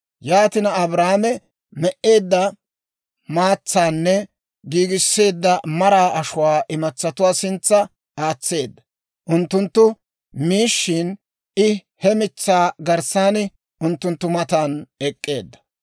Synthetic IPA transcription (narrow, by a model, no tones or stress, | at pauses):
jaːt̪ɪnɐɐbɾaːmɛ | mɛʔe̞ːd̪ːɐ | maːt͡sːaːnːɛ | ɡiːɡɪsːe̞ːd̪ːɐmɐɾaːʔɐʃʊwaːʔɪmɐt͡sːɐt̪ʊwaːsɪnt͡sːɐ | aːt͡sːe̞ːd̪ːɐ̥ | ʔʊnt̪ːʊnt̪ːʊ | miːʃːɪːn | ʔɪ | hɛmɪt͡sːaːɡɐɾsaːnɪ | ʔʊnt̪ːʊnt̪ːʊmɐt̪anɛkʼːe̞̰ːd̪ːɐ̥